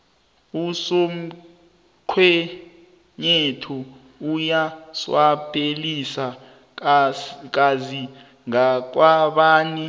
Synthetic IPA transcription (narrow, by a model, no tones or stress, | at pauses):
usom̩ | ǃʰwɛ | ɲetʰɔ | ujaswapʰʼelisa | k̬azi | ŋak̬waɓaːni